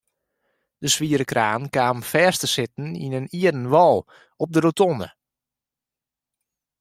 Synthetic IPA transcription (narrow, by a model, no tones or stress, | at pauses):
d̥əsʋiːəɾəkraːnkaːmfɛːrstəsɪtn̩ḭnəniədn̩ʋɔlˠ | ɔp̚dəɾotɔnə̰